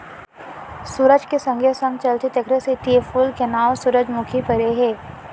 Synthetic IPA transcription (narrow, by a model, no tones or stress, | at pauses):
suɾəd͡ʒkesɐ̃ŋɡʱəsɐ̃ŋɡt͡ʃɐlt̪ʰet̪ɐkʰɾeset̪ifuːlkenaːʋsʊɾəd͡ʒmʊkʰipɐɾeɦeː